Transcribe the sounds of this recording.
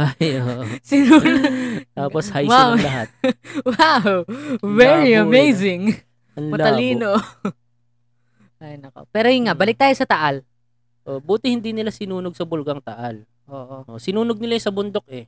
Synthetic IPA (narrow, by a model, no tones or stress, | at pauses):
ajoʔosɪnunt̪aːposhajwawlɐɦat̪̚wawvɛɹiɐmejzɪŋ | ɐnlmɐt̪ɐliːno | ɐjnɐko̰pɛːɾojiŋaʔbɐlɪk̚t̪aːjosɐt̪ɐʔɐl | ʔoʔbuːt̪ɪhɪnd̪inɪlasɪnuːnoɡ̚sɐbʊlɡɐŋt̪ɐʔɐl | ʔoːʔoʔosɪnuːnoɡ̚nɪlajsɐbʊnd̪o̞k̚ʔɛ